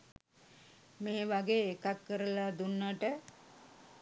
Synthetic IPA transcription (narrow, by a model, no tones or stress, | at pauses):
meːʋaɡeːkakkəɾəlad̪unːaʈə